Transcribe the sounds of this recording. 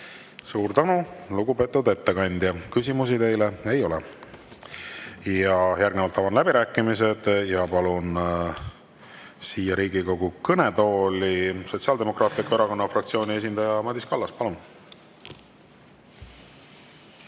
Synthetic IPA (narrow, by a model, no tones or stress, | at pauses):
suːɾt̪ænuluɡupe̞ːt̪ːˑud̪e̞t̪ːe̞kɑnʲd̪̥jɑkysimusit̪e̞jlee̞jo̞lɛ | jɑjærɡnvɑlt̪ːɑvɑnlæbiɾæːkːˑimis̬e̞d̪̥jɑpɑlun | siːjɑɾiːɡiko̞ɡ̥ukɤnet̪o̞ːliso̞t̪ʲsiɑld̪e̞mo̞krɑːt̪ˑlikːoe̞ɾɑko̞nːɑfrɑk̚t̪sio̞ːnʲie̞s̬ʲind̪ɑjɑmɑd̪ʲiskɑlːɑspɑlun